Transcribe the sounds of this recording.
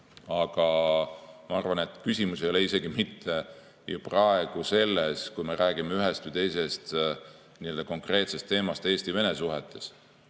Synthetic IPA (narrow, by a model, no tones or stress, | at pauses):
ɑɡ̥ɑ | mɑɑrvɑne̞t̪ːˑkysʲimusejo̞leise̞ɡ̥imit̪ʰːe̞ | juprɑe̞ɡ̥use̞lːeskujme̞ɾæːɡimeyɦest̪vujt̪e̞jse̞st̪ | nild̪ɑko̞ŋkre̞ːt̪se̞st̪ːe̞ːmɑst̪e̞ːsʲt̪ive̞nesuɦet̪ʰˑːe̞s